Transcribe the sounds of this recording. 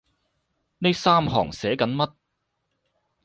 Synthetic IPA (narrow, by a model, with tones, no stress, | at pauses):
ne˥jsaː˥mhɔ̰ː˨˩ŋsɛː˨˥kɐ˨˥nmɐ˥t̚